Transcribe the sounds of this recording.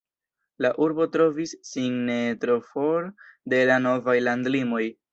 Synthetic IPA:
laʔuɾbo̞tɾo̞visːiŋnetɾo̞fo̞ɾde̞lano̞vajlandlimo̞j

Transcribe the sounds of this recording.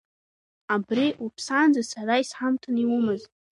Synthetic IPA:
abɾeʔupʰsand͡zɨsaɾajsħamtʰʼɨniwumɨz

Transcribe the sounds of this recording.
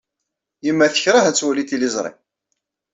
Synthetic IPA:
jəmːæθə̥çɾˤahæt͡sːwælit̪ilizˤɾˤɪ̰

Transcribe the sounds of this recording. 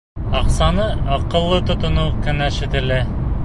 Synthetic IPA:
ɑqsɑnɤɑqɤ̆lˠːɤt̪ŏt̪ŏnukɘ̆næʃɘ̆t̪ɘ̆lɘ

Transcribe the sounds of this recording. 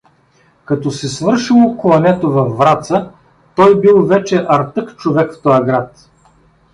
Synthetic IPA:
kɐt̪ɔsɛsvɤɾʃilˠoklˠɐnɛt̪ovɐfːɾat̪sə | t̪ɔjbilˠvɛt͡ʃɛʔɐɾt̪ɤkt͡ʃovɛkft̪ɔjɐɡɾat̪

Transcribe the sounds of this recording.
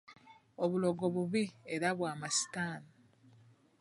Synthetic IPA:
oβulo̞ɡo̞βuβieɾaβwaːmasi̥taːna

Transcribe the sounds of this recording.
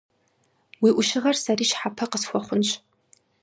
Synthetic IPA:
wiːʔʷʊʃɪʁɐrsɐriːʃħapʰɐqəsxʷɔχʷʊnɕ

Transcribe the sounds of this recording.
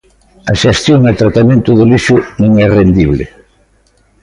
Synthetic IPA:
ɐʃest̪joŋat̪ɾat̪amẽnt̪ʊðʊliʃʊnõŋɛrend̪iβlḛ

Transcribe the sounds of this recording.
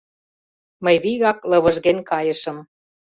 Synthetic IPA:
məjβiɣɑklɤ̆βɤ̆ʒɣenʲkɑjə̆ʃə̆m

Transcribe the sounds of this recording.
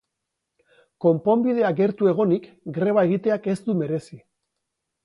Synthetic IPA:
ko̞mpo̞mbiðe̞aɡe̞ɾt̪ue̞ɣ̞o̞nik | ɡɾe̞β̞ae̞ɣ̞it̪e̞ake̞zt̪ume̞ɾe̞si

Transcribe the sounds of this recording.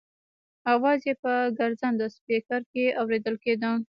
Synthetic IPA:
awɑzjepəɡaɾzand̪əspekaɾkeawɾed̪əlked̪ə

